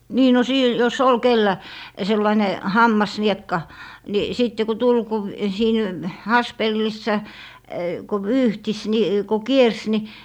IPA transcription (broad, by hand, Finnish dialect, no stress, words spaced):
niː no siˑt jos ol kelːæ selːɑine hɑmːɑsniekːɑ ni siˑtːe ku tul ku siːn hɑspelːisːɑ ku ʋyːhtis ni ko kiers ni